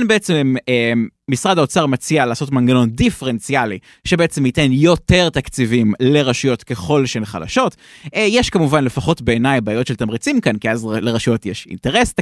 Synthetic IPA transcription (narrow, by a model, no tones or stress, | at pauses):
anbeet͡semeːisʁadaot͡saʁmat͡sialaːso̞tmanɡano̞ndifeʁent͡siali | ʃebeet͡se̞mite̞njo̞te̞ʁt̪akt͡sivimle̞ʁaʃujo̞tke̞χo̞lʃeenχa̰la̰ʃo̞t | ejeʃkamuvanle̞faχo̞tbe̞enajbaaːjo̞tʃelt̪amʁit͡simkankiazleʁaʃijo̞tjeʃḭnteʁest